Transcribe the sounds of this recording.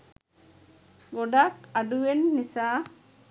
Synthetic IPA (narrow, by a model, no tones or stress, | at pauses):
ɡɔɖakaɖuʋenːisa